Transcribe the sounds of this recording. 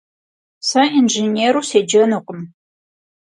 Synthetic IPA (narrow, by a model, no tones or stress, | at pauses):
sɐinʒeneːɾuːseːd͡ʒɐnuqʼəm